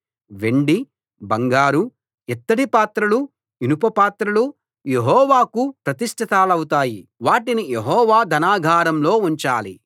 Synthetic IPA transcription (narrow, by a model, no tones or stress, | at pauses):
ʋeɳɖi | bɐŋɡaːɾu | ɛt̪ːɐɽipaːt̪ɾulu | inupɐpaːt̪ɾulu | jeɦɔːʋaːkupɾɐt̪iʂʈʰɐt̪aːlɐwut̪̬aːjiʋaːʈinijeɦɔːʋaːd̪ʱɐnaːɡʱaːɾɐmlo̞ːuɲt͡ʃaːli